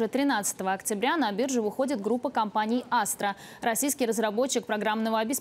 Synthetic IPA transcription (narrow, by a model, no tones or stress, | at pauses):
ɛt̪ɾʲɪnat̪sə̥t̪əvəɐktʲɪbɾʲanɐbʲirʐɨvɨxo̞dʲɪt̪ɡɾupːəkɐmpanʲɪjast̪ɾə | ɾɐsʲijskʲɪjrəzɾɐbo̞t͡ɕːɪk̚pɾɐɡɾamnəvəɐbʲɪs